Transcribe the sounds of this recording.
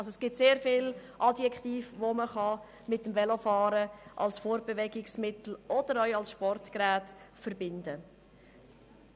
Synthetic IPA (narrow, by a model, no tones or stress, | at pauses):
ɑlsoɛsɡ̥ɪtseːɾfɪlʔɑdjɛkχtiːfʋoməχɑ | mɪtːəmvɛlofɑːɾəʔɑ̰lsfoːɾbɛvɛɡɪksmɪtl̩ʔɔd̥əɾœʏɑlsʃpɔrtkɾæːtfəɾbɪndə